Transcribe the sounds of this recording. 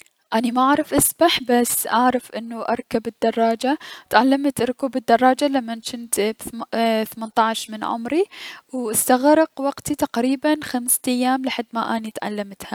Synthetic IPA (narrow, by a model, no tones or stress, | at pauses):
ʔanimaʔaʕɾˤɑfʔasbaħbasːʔaʕɾˤɑfʔɪnːuʔɑ̰ɾˤkabɪd̪ːɑrˤːɑːd͡ʒat̪ʕalːamt̪ɾʊkuːbɪd̪ːɑrˤːɑːd͡ʒalamːanʃɪnt̪bθamant̪ˤɑʕʃmɪnʕʊ̰mɾiwʔɪst̪aɣɾˤɑqwɑɡt̪it̪aqɾiːbanxamst̪ajːaːmlɪħad̪ːmaʔaːnit̪ʕa̰lːamt̪ha